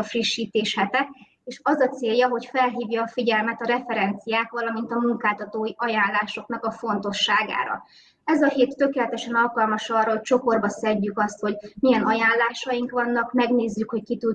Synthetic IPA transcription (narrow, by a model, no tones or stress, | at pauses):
friʃːiːt̪eːʃhɛt̪ɛk | eːʃɒzɒt̪seːjːɒɦo̞cfɛlɦiːvjɒːfiɟɛlmɛt̪ɒɾɛfɛɾɛnt̪sijaːk̪ʋɒlɒmin̪t̪ɒmuŋkaːlt̪ɒt̪oːjiʔɒjaːnlaːʃo̞knɒkɒfo̞nt̪o̞ʃːaːɡa̰ːɾɒ̰ | ɛzɒɦeːt̪ːø̞keːlɛt̪ɛʃɛnɒlkɒlmɒʃɒrːɒɦo̞c̚t͡ʃo̞ko̞rbɒsɛɟːykɒst̪ho̞ɟmijɛnɒjaːlːaːʃɒjiŋkʋɒnːɒkmɛɡneːzːykho̞ckit̪u